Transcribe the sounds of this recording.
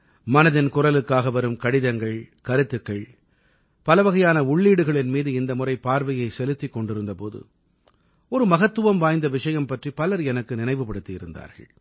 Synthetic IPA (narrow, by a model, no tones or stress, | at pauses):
mɐnɐðɪnkʊrɐlɯkːaːɣɐʋɐɾɯmkɐɽɪðɐŋɡɐɭkɐɾɯt̪ːɯkːɐɭ | pɐlɐʋɐɣɐjaːnɐʊɭːiːɽɯɣɐɭɪnmiːðɯɪnd̪ɐmʊrɐɪpaːɾʋɐjɐɪsɛlɯt̪ːikːɔɳɖɪɾɯnd̪ɐpoːðɯ̰ | ɔɾɯmɐɣɐt̪ːɯʋɐmʋaːjnd̪ɐʋɪʂɐjɐmpɐʈripɐlɐɾɛnɐkːɯnɪnɐɪʋɯpːɐɽɯt̪ːijɪɾɯ̰nd̪a̰ːɾɣɐ̰ɭ